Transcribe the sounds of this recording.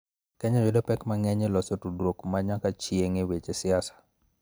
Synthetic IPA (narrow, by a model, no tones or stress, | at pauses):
kɛɲɔwedopɛkmaŋɛɲelɔsotudwokmaɲakat͡ʃjeŋewet͡ʃesɪasḁ